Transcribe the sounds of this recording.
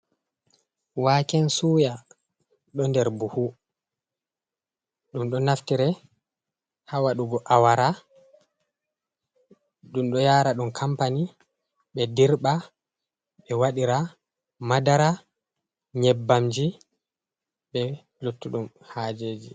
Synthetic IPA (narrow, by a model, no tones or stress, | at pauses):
wakɛnsuːja | ɗɔndɛɾbuhu | ɗumɗɔnaftiɾɛ | hawaɗuɡɔʔawaɾa | ɗumɗɔjaːɾaɗumkʰampani | ɓɛdiɾɓa | ɓɛwaɗiɾa | madaɾa | ɲɛbːamd͡ʒi | ɓɛ | lotːuɗum | had͡ʒeːd͡ʒi